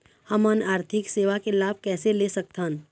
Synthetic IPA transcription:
həmənaːɾt̪ʰɪkseːʋakelaːb̚ʱkɛːselesɐk̚t̪an

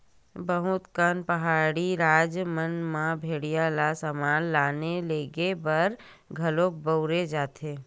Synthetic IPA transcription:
bɐɦʊt̪kənpəɦaːɽiɾaːd͡ʒmənmãbʱeːɽijalasəmaːnlaːneleːɡebɐɾ | ɡʱɐlõːk̚bəʊɾed͡ʒaːt̪eː

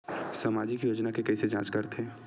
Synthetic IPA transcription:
samaːd͡ʒikjoːd͡ʒnakekɐised͡ʒãːt͡ʃkɐɾt̪ɦɛ̃ː

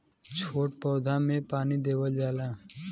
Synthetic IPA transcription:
t͡ʃʰoːʈpɔːd̪ʱãːmẽpaːnid̪eːwəld͡ʒaːlãː

